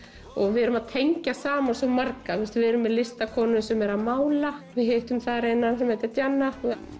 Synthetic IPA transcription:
ɔɣvɪɛɾʏmaðt̪ʰejɲcasaːmansɔmaɾkaθɛst̪vɪɛɾʏmːɛðlɪst̪akʰɔːnʏsɛmɛɾaðmaːwlavɪðheht̪ʏmθaɾejnːansɛmejt̪at̪janːa

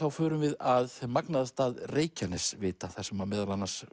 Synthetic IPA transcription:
awfœːɾʏmvɪðaðmaknaðast̪aːðreːjcanɛsvɪːt̪aθḁsɛmaɾmɛːðalanːḁs

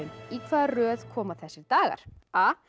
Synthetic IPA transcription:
ʏnikʰvaːðrœːðkʰɔːmaθɛsːɪɾt̪aːɣa̰ɾ̥aː

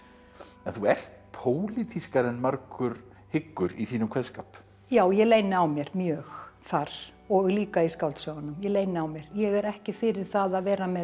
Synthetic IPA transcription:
ɛnθuɛr̥t̪̚pʰoːwlit̪ʰiskaɾɛnmaɾkʏɾ̥ | hɪkːʏɾiθiːnʏmkʰvɛðskaːp | jaːwjɛleːjnɪawmjɛɾ̥mjœːxθaɾ̥ | ɔɣliːkaiskaw̪t̪sœɣanʏmjɛleːjnɪawmjɛɾ̥jɛɣɛɾɛhcɪfɪɾɪɾ̥θaðaðvɛːɾamɛ

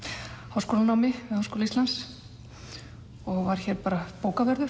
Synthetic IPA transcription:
hawskoːlanawmɪvɪhawskoːlist̪lans | ɔɣvaɾ̥çɛːɾpaːɾapoːwkavɛɾðʏ

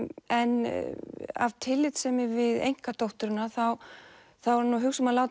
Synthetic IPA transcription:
ɛn | a̰vt̪ʰɪlːɪt̪sɛmɪvɪðḛjŋ̥kat̪owht̪ʏɾʏnːaθaw | θawɾnuɦʏxsamalaːwt̪

